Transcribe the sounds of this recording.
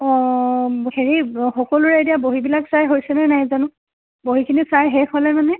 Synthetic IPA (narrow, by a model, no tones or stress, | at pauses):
ɔ | heɹixɔkɔlʊɹɛetijaboɦibilaksajɦojsɛnɛnajzanʊ̃ | boɦikʰinisajɦɛxɔlɛmanɛ